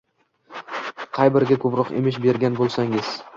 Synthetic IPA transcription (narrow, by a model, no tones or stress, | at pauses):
qʰɑjbɪɾɡʲakʰɵpɾɒqḛmɪʃbe̞ɾɡʲanbolˠsaŋɪz̥